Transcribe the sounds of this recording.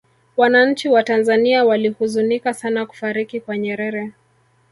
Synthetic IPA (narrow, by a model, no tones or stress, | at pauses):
wanaɲ̩t͡ʃiwatanzaniawalihuzunikasanaku̥faɾikikwaɲɛɾɛɾɛ